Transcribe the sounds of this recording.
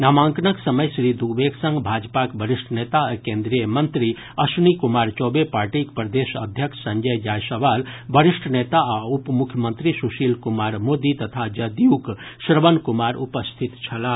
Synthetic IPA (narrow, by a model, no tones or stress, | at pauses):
namãŋknəksəməjsɾid̪uɡbeksə̃ŋɡbʱad͡ʒpakbəɾisʈʰnet̪akẽnd̪ɾijəmənt̪ɾi | ɐsnikumaɾt͡ʃɔbepaɾʈikpɾəd̪esə̰d̪ʱjəkʰsə̃ŋd͡ʒəjjajsəʋalbəɾisʈʰnet̪aaupmukʰjəmənt̪ɾisuʃilkumaɾmod̪it̪ət̪ʰad͡ʒəd̪juk | sɾəbənkumaɾupəst̪ʰit̪t͡ʃʰɐla